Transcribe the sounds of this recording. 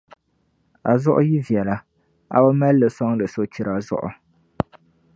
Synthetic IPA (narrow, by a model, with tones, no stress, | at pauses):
a˨zʊ˦ʔʊ˦ji˦vi˨ɛ˨la˨ | a̰˨bo˦ma˦lːɨ˨sɔ˦ŋlɨ˨so˦t͡ʃi˦ɾa˨zʊ̰˦ʔʊ̰˨